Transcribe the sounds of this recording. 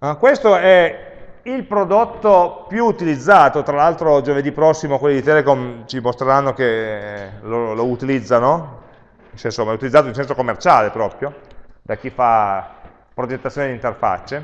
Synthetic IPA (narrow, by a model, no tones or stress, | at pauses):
akwest̪oɛ | ilpɾod̪ot̪ːopjuːt̪ilid̪zːaːt̪ot̪ɾalalt̪ɾod͡ʒoved̪ipːɾɔsːimokwelːid̪it̪ɛlekomt͡ʃimost̪ɾeɾanːoke | lolout̪ilid̪zːano | insɛnsomːaɛut̪ilid̪zaːt̪oinsɛnsokomːert͡ʃaːlepɾɔːpɾjod̪ak̟ːifa | pɾod͡ʒet̪ːat̪sːjoned̪int̪erfa̰t͡ʃːe